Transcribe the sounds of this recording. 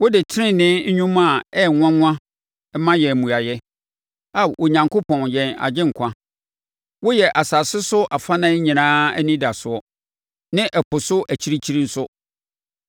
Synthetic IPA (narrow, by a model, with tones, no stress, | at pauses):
wʊ˦dɪ˨tʰɪ˦ɪ̃˦˨nɪ̃˦ɲ̩˦ɲᶣũ˦ma˨ɛ˦˨ŋʷã˦ŋʷ˦ã˦ | ɛ˦mã˦jɛ˨mũ˨a˨jɛ˦ | a˨o˨ɲã˨ŋkʰʊ˦pʰɔ̃˨njɛ˨na̰˨d͡ʑɪ̃˦ŋ̩˨kʷʰã˦ | wʊ˦jɛ˨ʔa˨saː˨sɪ˦sʊ˦ʔa˨fa˦nã˦ɲĩ˨nãː˦æ̰˦nĩ˦da˨sʊ˨ɔ˦ | nɪ̃˦ʔɛ˨pʰʊ˨sʊ˦ʔæ˨t͡ɕʰi˦ɾi˦t͡ɕʰi˦ɾĩ˦n̩˦sʊ˦